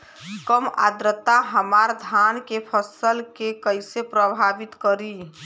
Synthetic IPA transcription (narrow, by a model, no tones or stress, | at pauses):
kəma̰d̪ɾət̪aɦəmaɾd̪ʱaːnkepʰəsəlkekəɪsepɾəbʱaːbɪt̪kəɾi